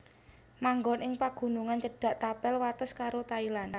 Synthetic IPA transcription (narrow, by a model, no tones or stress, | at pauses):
maŋɡɔnʔɪŋpaɡ̥ṳnuŋant͡ʃəɖ̥a̤ʔt̪apɛlwat̪əskaɾot̪ailan